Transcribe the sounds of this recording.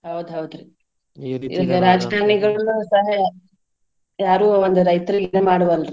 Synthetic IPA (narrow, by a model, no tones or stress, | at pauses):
ɦɐwd̪uɦɐwd̪ɾi | ḭliɡɐɾaːd͡ʒkaːɾɳiɡɐɭɐnusɐɦɐ | jaːɾuːond̪uɾɐjt̪ɾiɡnemaːɽuʋɐlɾ